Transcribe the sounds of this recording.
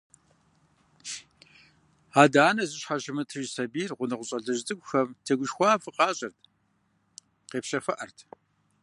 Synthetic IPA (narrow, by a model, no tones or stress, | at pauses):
aːdaːnɐzɨɕħaʒɪmɨtʰɨʒsɐbiːrʁʷʊnɨqʷʊɕʼɐɮɐʒdʼɨkʷʼʊxɐmtʰɐɡʷʊʃxʷɑːfɨqɑːɕʼɐrtʰ | qeːpɕɐfɐʔɐrtʰ